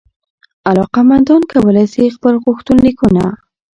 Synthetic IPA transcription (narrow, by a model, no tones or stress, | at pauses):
alɑqamand̪ɑnkawəlajsixpəlɣuxt̪unlikuna̰